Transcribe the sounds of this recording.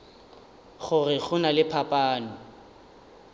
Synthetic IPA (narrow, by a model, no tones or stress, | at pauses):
ɣʊrɪɣʊnalɪpʰapʼaːnʊ